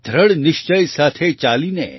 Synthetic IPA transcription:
d̪ʱɾəɽnɪʃt͡ʃəjsat̪ʰet͡ʃalinḛ

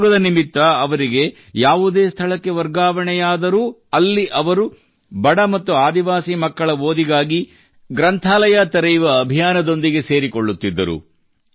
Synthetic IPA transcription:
ɡɐd̪ɐnimit̪ʋɐːʋɐɾiɡe̞ | jaːʋud̪e̞ːst̪ʰɐɭɐkːe̞ʋɐɾɡaːʋɐɳɛjaːd̪ɐɾu | ɐlːiʔɐʋɐɾu | bɐɽɐmɐt̪ːuaːd̪iʋaːsimɐkːɐɭɐʋoːd̪iɡaːɡi | ɡɾɐnt̪ʰaːlɐjat̪ɐɾɐjʋɐːbʱijaːnɐd̪o̞nd̪iɡe̞se̞ːɾiko̞ɭːut̪ːid̪ːɐɾṵ

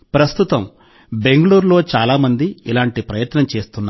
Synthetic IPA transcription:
pɾɐst̪ut̪ɐm | be̞ŋɡɐluːɾlo̞ːt͡ʃaːlaːmɐnd̪iilaːɳʈipɾɐjɐt̪nɐmt͡ʃe̞ːst̪unːa

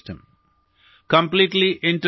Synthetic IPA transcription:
ʈə̃m | kɐ̃mpliːʈliʔɪ̃ɳʈɾ

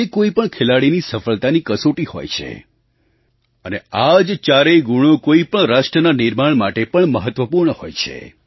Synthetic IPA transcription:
ekoipəɳkʰelaɽinisəfəɭt̪anikəsoʈiho̰jt͡ʃʰḛ | ənead͡ʒt͡ʃaɾeɡuɽ̃okoipəɳɾaʃʈɾənanɪɾmaɳmaʈepəɳməɦət̪ʋəpuɾɳəhojt͡ʃʰḛ

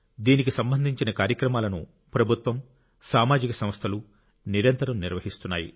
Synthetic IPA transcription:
d̪iːnikisɐmbɐnd̪ʱiɲt͡ʃinɐkaːɾjɐkɾɐmaːlɐnṵ | pɾɐbʱut̪ʋɐm | saːmaːd͡ʒikɐsɐmst̪ʰɐlu | niɾɐnt̪ɐɾɐmniɾʋɐɦist̪unːa̰ːjḭ

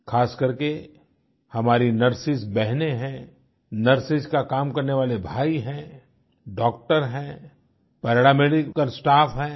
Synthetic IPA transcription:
xʰaːskɐɾke | hɐmaːɾinɐɾsɪsbɛɦneɦɛ̃ | nɐɾsɪskakaːmkɐɾneʋaːlebʱaːiɦɛ̃ | ɖɔːk̚ʈəɾɦɛ̃ː | pɛːɾɽameːɖɪkkəɾsʈaːfɦɛ̃ː

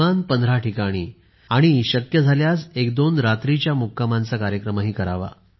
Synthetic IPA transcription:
anpənd̪ʱɾaʈikaɽ̃ḭː | aɽ̃iɕəkjəd͡zʱaljasekd̪onɾat̪ɾit͡ɕjamukːamãnt͡sakaɾjəkɾəmaɦiːkəɾaʋa̰

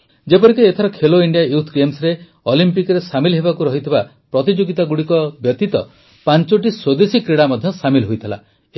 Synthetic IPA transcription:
d͡ʒepɔɾikɔet̪ʰɔɾɔkʰeloiɳɖiajut̪ʰɡemsɾe | olimpikɾesamilɦebakuɾɔɦit̪ʰiba | pɾɔt̪id͡ʒoɡit̪aɡuɽikɔbjɔt̪it̪ɔ̰ | pant͡ʃoʈ̬iswod̪esikɾeɽamad̪ʱjɔsamilɦojt̪ʰila̰

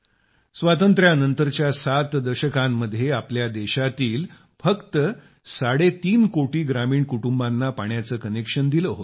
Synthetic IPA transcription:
sʋat̪ənt̪ɾjanənt̪əɾt͡ɕjasat̪d̪əɕəkãmːəd̪ʱːjeapljad̪eɕat̪iːl | fəkt̪ə | saɽet̪iːnkoʈiːɡɾamiːɳkuʈumbanːapaɳjat͡səːkənekʂənd̪iləɦot̪

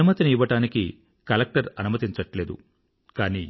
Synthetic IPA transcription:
umɐt̪iniːʋɐʈaːnikḭ | kɐlɐk̚ʈɐɾɐnumɐt̪iɲt͡ʃɐʈle̞ːd̪ṵ | kaːniː

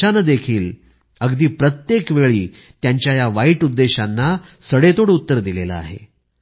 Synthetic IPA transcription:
anəd̪ekʰiːl | əɡd̪iːpɾət̪jekʋeɭiː | t̪jaɲt͡ɕjajaʋaiːʈud̪ːeɕanːasəɽet̪oɽut̪ːəɾd̪ilela̰a̰ɦḛ

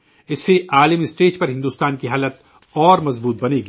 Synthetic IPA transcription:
ɪsːeʔaːləmiɪsʈeːd͡ʒpɐɾɦɪ̃nd̪uːst̪aːnkiɦaːlət̪ | ɔːɾmɐzbuːt̪̚bɐneːɡi

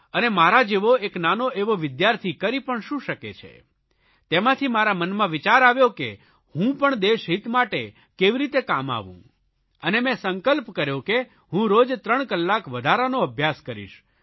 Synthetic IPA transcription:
ənemaɾad͡ʒeʋoeknanoʔeʋoʋɪd̪jaɾt̪ʰikəɾipəɳʃũʃəkḛt͡ʃʰḛ | t̪emãt̪ʰimaɾamənmãʋit͡ʃaɾaʋjoke | hũpəɳd̪eʃɦit̪maʈe | keʋiɾit̪eka̰ma̰ʋṵ̃ | ənemɛ̃səŋkəlpkəɾjoke | ɦũɾod͡ʒt̪ɾəɳ̃kəlːakʋəd̪ʱaɾanoəbʱjaskəɾḭʃ

